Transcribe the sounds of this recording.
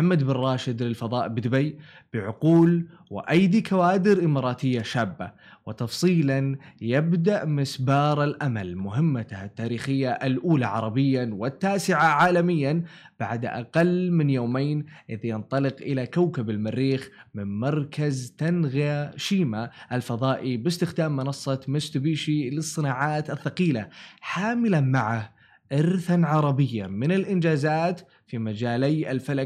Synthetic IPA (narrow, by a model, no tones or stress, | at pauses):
ħamːad̪bɪrˤːɑːʃɪd̪lɪlfɑðˤɑːʔbɪd̪bajb̥ɪʕʊquːlwɪʔajd̪ikʰawaːd̪ɪɾʔɪmɑːɾˤɑːt̪ɪjːaʃaːbːa̰wɪt̪ɑfsˤiːlanjabd̪aʔmɪsbɑːɾˤalʔama̰lmʊɦɪmːat̪hat̪ːaːɾiːxɪjːaʔalʔuːlaʕɑɾˤɑbɪjːawɪt̪ːaːsɪʕaʕaːlamɪjːan | b̥aʕd̪ʔa̰qɑlːmɪnjoːmejnʔɪðjɪnt̪ˤɑlɪqʔɪlakawkabɪlmarːiːxmɪnmɑɾˤkazt̪anɣaaʃiːmaʔalfɑðˤɑːʔibɪst̪ɪxd̪aːmːɪnɑsˤːɑmɪst̪biːʃilɨsˤːɨnaːʕaːt̪ɪθːɑqiːlaħaːmɪlanmaʕa | ʔɪɾθanʕɑɾˤɑbɪjːamɪnɪlʔɪnd͡ʒaːzaːt̪ | fimad͡ʒaːlajalfala